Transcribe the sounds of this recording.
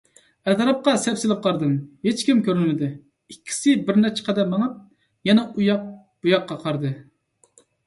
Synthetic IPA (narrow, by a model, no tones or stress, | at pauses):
ɛt̪ɾɑp̚qɑsɛpsɪlɪp̚qʰɑɾd̪ɨmhet͡ʃkʲimkʲʰøɾnɪd̪ɪ | ikʲʰːi̥sɪbɪɾnɛt͡ʃʰɛ̥qʰɑd̪ɛmːɑŋɑp̚ | jɛnɛujɑq | b̥ujɑqːɑqʰɑɾd̪ɨ